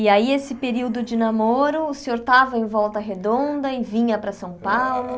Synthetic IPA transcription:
ɪaiesɪpeɾiwd̪ʊd͡ʒɪnamoɾʊsɪoɾt̪avɐẽj̃vɔwt̪ɐɦed̪õnd̪ɐɪvĩɲɐpɾɐsɐ̃w̃pawlʊ

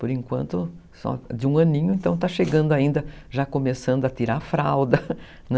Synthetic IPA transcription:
poɾẽŋkwɐ̰̃nt̪ʊ | sɔ̰d͡ʒ̪ɪũɐ̃nĩɲʊẽnt̪ɐ̃w̃t̪aʃeɡɐ̃nd̪ʊaĩnd̪ɐʒakomesɐ̃nd̪ʊɐt̪iɾafɾawd̪ɐ | n

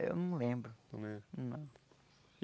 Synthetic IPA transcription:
ḛwnɐ̃w̃lẽmbɾʊɐ̃mẽnɐ̃w̃

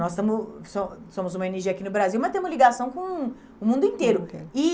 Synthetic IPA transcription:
nɔst̪ɐ̃mʊsõsõmʊzũmɐeneɾʒiɐkinʊbɾaziwmɐt̪ẽmʊzliɡasɐ̃w̃kõw̃ | ʊmũnd̪ʊĩnt̪eɾʊɪ

